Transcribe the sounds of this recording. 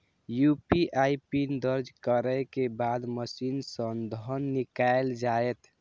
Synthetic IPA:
jupiʔajpind̪əɾd͡ʒkəɾəkebad̪məsinsə̃nd̪ʱənːikaeld͡ʒaet̪

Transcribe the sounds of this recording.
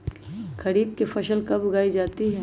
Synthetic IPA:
kɐɾiːb̪̚kefʰɐʃəlkɐbʊɡaːid͡ʒaːt̪iɦɛː

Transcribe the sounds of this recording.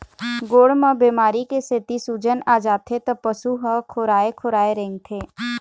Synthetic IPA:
ɡoːɽmə̃beːmaːɾikeset̪isuːd͡ʒənaːd͡ʒaːt̪ʰet̪əpəsuɦəkʰoːɾaːekʰoːɾaːeɾẽːŋɡt̪ʰeː

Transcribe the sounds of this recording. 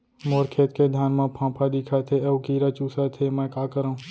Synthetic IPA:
moːɾkʰeːt̪ked̪ʱjaːnmãpʰãːpʰad̪ɪkʰat̪ʰeɐʋkiːɾat͡ʃuːsat̪ʰemɛ̃kaːkəɾaũ

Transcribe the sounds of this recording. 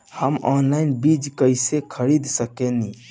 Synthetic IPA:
həmɔnlainbid͡ʒkəjsekʰəɾid̪səkeni

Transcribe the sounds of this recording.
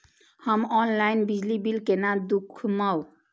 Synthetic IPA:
həmɔnlaɪnbid͡ʒlibilkenad̪ukʰmaw

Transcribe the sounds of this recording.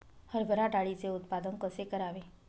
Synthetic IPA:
həɾbʱəɾaʈaɭit͡seʊt̪pad̪əŋkəsekəɾaʋe

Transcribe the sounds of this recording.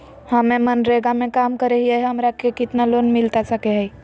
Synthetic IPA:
həmẽmənɾeɡamẽkaːmkəɾeɦiəɦəmɾakekɪt̪nalonmɪlt̪asəkeɦəj

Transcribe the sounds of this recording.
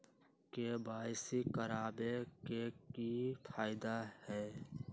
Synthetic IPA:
kebaːɪsikəɾaːbekekifʰaːɪd̪ahɛː

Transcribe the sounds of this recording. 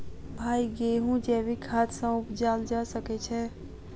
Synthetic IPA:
bʱaiɡeɦũd͡ʒeʋikʰat̪sãʊpd͡ʒald͡ʒaʃəket͡ʃʰe

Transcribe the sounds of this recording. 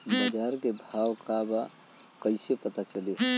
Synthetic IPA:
bəd͡ʒaɾkebʱawkaba | kəɪsepət̪at͡ʃəliɦ

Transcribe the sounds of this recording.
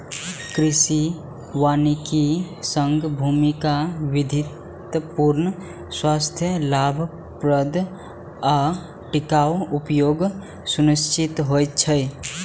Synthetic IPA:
kɾisi | waniki | səŋɡʱbʱumikaʋid̪ʱit̪ | puɾnə | swast̪ʰjəlabʱ | pɾəd̪ʱ | a | ʈikawupjoːɡ | sunist͡ʃit̪ɦojt̪t͡ʃʰəj

